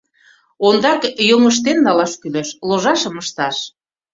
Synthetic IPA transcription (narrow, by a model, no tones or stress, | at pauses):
ond̪ɑkjoŋəʃ̬t̪enːɑlɑʃkyleʃloʒɑʃə̆məʃt̪ɑʃ